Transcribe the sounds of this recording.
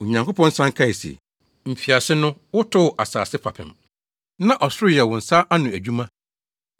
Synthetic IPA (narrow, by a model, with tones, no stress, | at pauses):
o˨ɲã˨ŋko˦pʰɔ̃˦n̩˦sã˦ŋ˦kʰa˦i˨sḛ˨ | m̩˨fi˨a˨sɪ˦nʊ̃˦wʊ˦tʰʊ˦˨ʔa˨sa̰ː˨sɪ˦pʰa˨pʰɪ̰̃˨m | nã˦ʔɔ˨sʊ˦ɾʊ˦jɛ˨wʊ̃˨n̩˨sa˦ʔa˦nʊ̃˨æ˨d͡ʑᶣu˦mã˦